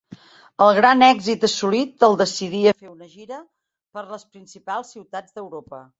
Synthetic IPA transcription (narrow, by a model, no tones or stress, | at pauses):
əlˠɣɾanɛɡzit̪əsulit̪əlˠd̪əsiðiəfeunəʒiɾə | pəɾləspɾinsipalˠsːiwt̪ad͡zd̪əwɾopə